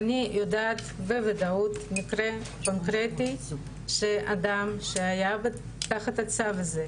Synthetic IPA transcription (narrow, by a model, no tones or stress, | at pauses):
anijʔod̪aːt̪vevad̪aut̪nikɾe | konkɾet̪i | ʃeʔad̪amʃeajabe | t̪aχat̪at͡savaze